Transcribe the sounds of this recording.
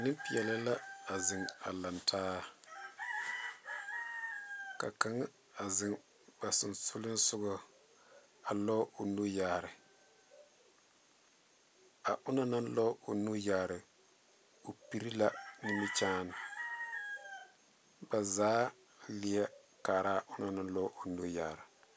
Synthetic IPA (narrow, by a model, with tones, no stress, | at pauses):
nɪ˦mpɪ˨ɛ˨lɪ˦la˦a˨zɪ˨ŋa̰˨la˨ntʰaː˦ | ka˨ka˨ŋ˦ | a˨zɪ˨ŋ | b̥a˨sʊ˨nsʊ˦lɪ˦n˦sʊ˦ɡʊ˦ | a˨lɔ˦ʊ˨nu˦jaː˨ɾɪ˨ | a˨ʔʊ˦na˦na˦n˦lɔ˦o˨nu˦ja˨ɾɨ˨ | o˨pi˦ɾi˦la˦nɪ˦mɪ˦t͡ʃaː˦nɪ˨ | ba˨zaː˦ | lɪ˨a˦ | kaː˨ɾa˦˨ʔʊ˦na˨na˦n˦lɔ˦o˨nu˦ja˨ɾɪ˨